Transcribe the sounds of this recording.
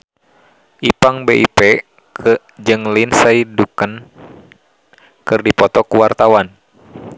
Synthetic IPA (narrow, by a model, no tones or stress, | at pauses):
ʔipaŋbeʔipɛ | k | d͡ʒɨŋlinsaidukən | kɨrdipɔt̪ɔkuwart̪awan